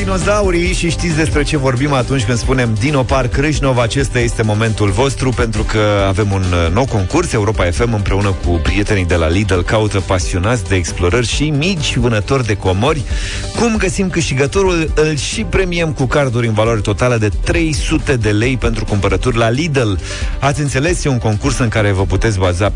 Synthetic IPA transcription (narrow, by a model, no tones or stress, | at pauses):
d̪ino̞zauɾiʃiʃt̪it̪sʲd̪e̞spɾe̞t͡ʃe̞vo̞rbimat̪unt͡ʃʲkɨnd̪spune̞md̪ino̞parkɾɨʃno̞vat͡ʃe̞st̪aje̞st̪e̞mo̞me̞nt̪ulvo̞st̪ɾupe̞nt̪ɾukəave̞munnːo̞wko̞ŋkurse̞uɾo̞pae̞fe̞mɨmpɾe̞unəkupɾije̞t̪e̞nijd̪e̞la̰lid̪əlkaut̪əpasio̞nat̪sʲd̪eːksplo̞ɾərʲʃimit͡ʃʲvɨnət̪o̞rd̪e̞ko̞morʲ | kumɡəsimkɨʃt̪iɡət̪o̞ɾulɨlʃipɾe̞miemkukard̪uɾʲɨnvaloaɾe̞t̪o̞t̪aləd̪e̞t̪ɾe̞jsut̪e̞d̪e̞le̞jpe̞nt̪ɾukumpəɾət̪urʲlalid̪el | at̪sʲɨnt̪se̞le̞siuŋko̞ŋkursɨŋkaɾe̞vəput̪e̞t̪sʲbaza